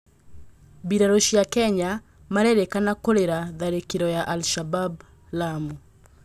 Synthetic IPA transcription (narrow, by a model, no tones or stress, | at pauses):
biɾaɾoʃijakɛɲa | maɾeɾekanakoɾeɾaðaɾekiɾɔjaʔalʃabab | lamu